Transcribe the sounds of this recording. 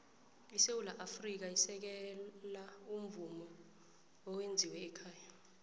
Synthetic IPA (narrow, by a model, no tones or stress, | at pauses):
isewulaʔafrik̬aisɛk̬ɛlaum̩vumɔ | ɔwend͡zʱiwɛːkʰaːja